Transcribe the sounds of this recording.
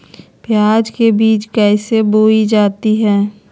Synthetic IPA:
pjaːd͡ʒkebiːt͡ʃkɛːɪseboːid͡ʒaːt̪iɦɛː

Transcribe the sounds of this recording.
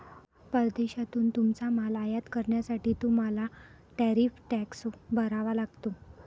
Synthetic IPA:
pəɾd̪eɕat̪uːnt̪umt͡samalajat̪kəɾɳjasaʈiːt̪um̤ala | ʈɛɾifʈɛksbəɾaʋalaɡt̪o

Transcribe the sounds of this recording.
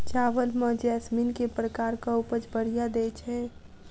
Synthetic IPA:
t͡ʃaːʋəlmə̃d͡ʒɛsminkepɾəkaːɾkaupət͡ʃbəɽijad̪eːt͡ʃʰɦɛ̃

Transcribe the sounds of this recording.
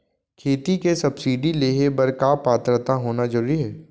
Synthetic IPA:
kʰeːt̪ikesɐbsiːɖileːɦebɐɾkaːpaːt̪ɾət̪aɦoːnazɐɾuːɾiɦɛː

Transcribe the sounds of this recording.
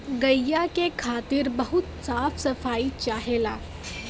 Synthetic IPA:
ɡɐjjːakekʰaːt̪ɪɾbɐɦʊt̪saːfʰsɐfaːit͡ʃaːɦelaː

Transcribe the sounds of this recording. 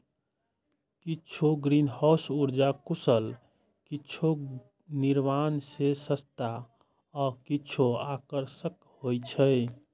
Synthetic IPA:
kitːt͡ʃʰoɡɾinhɔwsuɾd͡ʒakusəl | kitːt͡ʃʰo | niɾmansesəst̪a | ɔkit͡ʃʰoakəɾsək | hojt͡ʃʰəj

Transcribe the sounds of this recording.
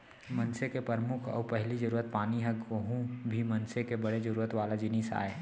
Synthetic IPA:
mənsekepəɾmʊkʰɔ̰ːpəɦlid͡ʒəɾuːɾət̪̚paːniɦɛɡoɦũbʱimɐnsekebəɽed͡ʒəɾuːɾət̪ʋaːlad͡ʒɪniːsa̰ːe

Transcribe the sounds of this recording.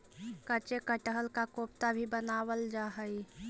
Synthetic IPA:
kət͡ʃekəʈəɦəlkakop̚t̪abʱibənawəld͡ʒaɦəi

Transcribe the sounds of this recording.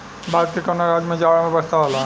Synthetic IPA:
baːd̪̚kekɐnaɾaːd͡ʒmẽd͡ʒaːɽamẽbəst̪aɦola

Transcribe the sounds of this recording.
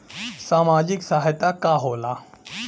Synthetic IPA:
saːmaːd͡ʒɪksaːɦɪt̪akaɦoːla

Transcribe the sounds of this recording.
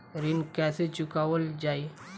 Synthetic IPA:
ɾɪnkɛːset͡ʃʊkaːʋəld͡ʒaːi

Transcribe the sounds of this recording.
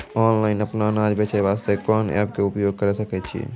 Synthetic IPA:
ɔːnlaːɪnəpnanaːd͡ʒbet͡ʃajʋaːst̪ʰekɔːnɛ̰ːp̚keʊpjoːɡ̚kəɾesəkɛt͡ʃʰiḛ

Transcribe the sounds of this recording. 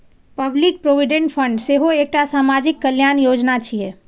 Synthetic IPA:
pəblik̚pɾobiɖẽɳʈpʰəɳɖseɦoek̚ʈasamad͡ʒikːəljanjod͡ʒnat͡ʃʰije

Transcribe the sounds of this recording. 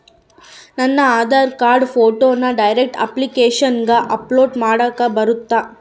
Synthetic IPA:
nɐnːɐaːd̪aːɾkaːɾɖpʰoːʈoːnːɐɖɐjɾek̚ʈɐ̰plikeːʂɐnɡɐʔɐploːɖmaːɽaːkɐbɐɾut̪ːaː

